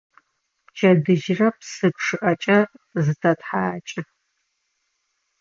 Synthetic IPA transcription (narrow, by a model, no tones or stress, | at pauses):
t͡ʃʰʼɐdɨʒrɐpsɨpʂɨʔɐt͡ʃʼɐrzɨtʰɐtħaːt͡ʃʼɪ